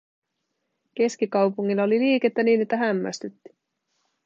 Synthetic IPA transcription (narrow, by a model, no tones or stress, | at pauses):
ke̞skikɑwpuŋːilːɑo̞liliːk̟e̞t̪ːæniːne̞t̪ːæɦæmːæ̰st̪yt̪ːi̥